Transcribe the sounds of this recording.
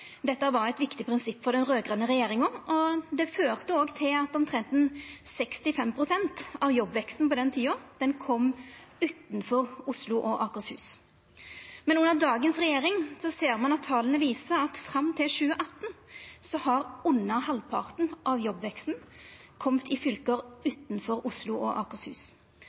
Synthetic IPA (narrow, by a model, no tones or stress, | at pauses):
d̪ɛt̪ːəæʋɑɾæɪt̪ʋɪkt̪ɪpʰʁɪnsɪpːfɔd̪ɛnʁøːɡʁɑnəʁɛjeːɾɪŋɔʔɔd̪ɛføːʁt̪əoːɡt̪ʰɪlɑt̪ɔmt̪ʰʁɛnt̪n̩sɛkst̪ɪfɛmpʰʁʊsɛnt̪ɑʋjɔbʋɛkst̪n̩pɔd̪ɛnt̪ʰiːɔd̪̥ɛnkʰɔmː | ʉːt̪nfɔʁʊslʊʔɔʔɑːkʊshʉ̰ːs | mɛnʉnːəʁd̪ɑːɡənsʁɛjeːʁɪŋsɔseːʁmɑnɑt̪ʰːɑːlənəʋiːsəɑt̪fʁɑmːt̪ʰɪlʃʉːəʔɑt̪ːnsɔhɑʁʊnːəhɑlpʰɑ̰ʁt̪n̩ʔɑʋjɔbʋɛkst̪n̩ | kʰɔmt̪ʰɪfʏlkəɾʉːt̪nfɔɾʊslʊʔɔʔɑ̰ːkəshʉ̰ːs